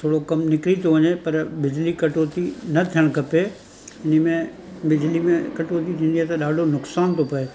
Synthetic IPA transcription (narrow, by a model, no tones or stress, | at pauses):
t̪ʰoːɽokɐmnɪkɾit̪oʋɐɲepɐɾbɪd͡ʑlikɐʈoːt̪inɐt̪ʰijəɽ̃kɐpe | ɪnəmẽ | bɪd͡ʑlimẽkɐʈoːt̪it̪ʰĩːn̆d̪iaːt̪ɐɗaːɖʱonʊksaːnt̪ʰopɐe